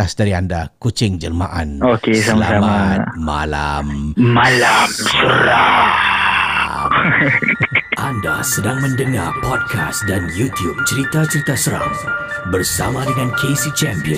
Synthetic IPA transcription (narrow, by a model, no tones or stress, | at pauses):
asdaɾiandakut͡ʃɪŋd͡ʒərma̰ʔanokesalasamama̰la̰mmalamsəɾa | ʔanda̰sədaŋmə̃ndəŋa̰rpɔd̚kʰa̰sdanjut̪jub̚t͡ʃəɾit̪at͡ʃəɾit̪asəɾa̰ŋ | bərsa̰mãdəŋãnkʰesit͡ʃɛmpiə